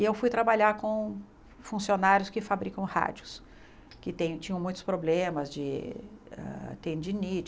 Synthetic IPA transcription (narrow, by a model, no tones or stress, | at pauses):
ɪewfujt̪ɾabaʎaɾkõ | fũsionaɾjʊskɪfabɾikɐ̃w̃ha̰d͡ʒʊs | kɪt̪ẽj̃t͡ʃĩɲɐ̃wmũj̃t̪ʊ̥spɾoblẽmɐzd͡ʒɪ | a̰t̪ẽd͡ʒɪnit͡ʃ